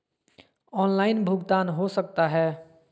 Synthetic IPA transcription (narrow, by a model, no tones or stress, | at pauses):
ɔːnlaɪnbʱʊɡt̪anɦosəkt̪aɦɛː